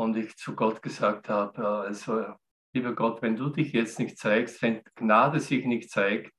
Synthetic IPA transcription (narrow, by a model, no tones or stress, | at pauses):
ʊndɪçt͡suɡɔtɡ̥əzaːkthaːbəjaalsoja | liːbɐɡɔtvɛnduːdɪçjɛt͡stnɪçt̚t͡saɪkstvɛntɡ̥naːdəsɪçnɪçt̚t͡saɪkt